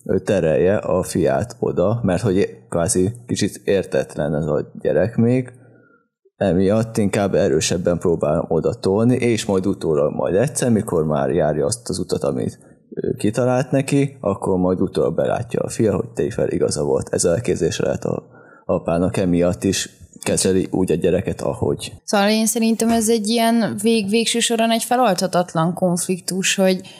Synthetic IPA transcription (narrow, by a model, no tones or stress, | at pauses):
øːt̪ɛɾɛjːɛʔɒfija̰ːt̪ʰo̞̰d̪ɒmɛrt̪ho̞ɟkʋaːzikit͡ʃit̪eːrt̪ɛt̪lɛnɛzɒɟɛ̰ɾɛkmeːɡ | ɛmijɒt̪ːiŋkaːbːɛɾøːʃɛbːɛmproːbaːlo̰mo̞d̪ɒt̪olniʔeːʃmɒjd̪ut̪oːlɒɡmɒ̰jd̪ɛtt̪sɛrmiko̞rma̰ːrjaːɾjɒɒst̪ɒzut̪ɒt̪ɒmḭt̪ | ø̰ːkit̪ɒlaːlt̪nɛkiɒkːo̞rmɒjd̪ut̪oːɾɒ̰bɛla̰ːcːɒːfijɒɦo̞c̚t̪ɛifɛ̰lʔḭɡɒzɒvo̞lt̪ʰɛzɒɛlkeːbzeːʃɛlɛ̰ɦɛt̪ɒ̰ | ɒpaːnɒkɛmijɒt̪ːiʃkɛzɛliʔuːɟɒɟɛɾɛkɛt̪ʰɒ̰ho̞̰ɟsovɒleːnsɛɾint̪ɛmɛzɛɟːijɛnveːɡveːkʃøːʃo̞ɾɒnɛɟfɛlɒlt̪hɒt̪ɒt̪lɒŋko̞ɱflikt̪uʃho̞ɟ